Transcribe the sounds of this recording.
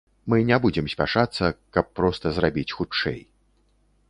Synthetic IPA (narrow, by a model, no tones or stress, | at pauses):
mɨnʲɛbud͡zʲɛmsʲpʲaʂat̪sːɐkɐpːɾɔst̪ɐzrabʲit͡sʲxut͡ʂɛ̰j